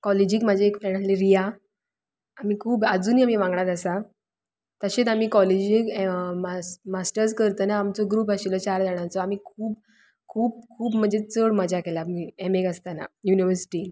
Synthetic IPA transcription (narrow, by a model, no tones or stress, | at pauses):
kɔled͡ʑiːkmad͡ʑʱaekfɾɛ̃ɳɖaleɾija | am̤iːkʰuːbad͡zuːniːamiːʋãŋɡɳaɾasa | t̪əɕet̪amiːkɔled͡ʑikmamasʈəɾskəɾt̪ənaːmt͡sɔɡɾuːpaɕilɔt͡ɕaɾd̪aɽ̃ãt͡sɔamiːkʰuːp̚ | kʰuːp̚kʰuːpm̤əd͡zet͡səɽmad͡ʑʱjakelamiemekəst̪ana̰juniʋəɾsi̥ʈi